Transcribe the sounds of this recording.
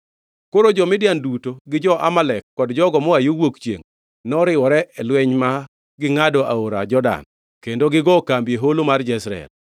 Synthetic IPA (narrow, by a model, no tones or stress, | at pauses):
koɾod͡ʒɔmɪdɪjandutoɡɪd͡ʒɔʔa̰malɛkːɔdd͡ʒɔɡɔmɔajowokt͡ʃjḛŋ | nɔɾɪwɔɾɛʔɛlwɛɲma | ɡɪŋadɔʔa̰oɾa̰d͡ʒɔda̰n | kendoɡɪɡɔkambjeɦolomard͡ʒɛsɾaɛ̰l